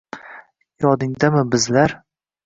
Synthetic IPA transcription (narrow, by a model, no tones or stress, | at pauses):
jɒd̪ɪŋd̪amɪbɪzlaɾ